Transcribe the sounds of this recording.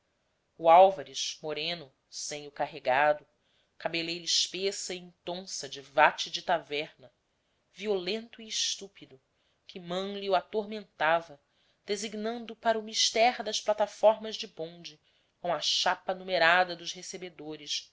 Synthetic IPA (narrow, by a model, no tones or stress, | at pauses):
uawvaɾiʃmoɾẽnʊ | sẽj̃ʊkaɦeɡad̪ʊ | kabelejɾiʃpesɐĩŋt̪õsɐd͡ʒɪvat͡ʃɪd͡ʒɪt̪avɛɾnɐ | violẽnt̪ʊiːʃt̪upid̪ʊ | kʰʲɪmɐ̃w̃liuat̪oɾmẽnt̪avɐ | d̪̥eziɡnɐ̃nd̪ʊpaɾɐumiʃt̪ɛɾd̪ɐʃplat̪afɔɾmɐʒd͡ʒɪbõnd͡ʒɪ | kõɐʃapɐnumeɾad̪ɐd̪ʊzhesebed̪oɾɪʃ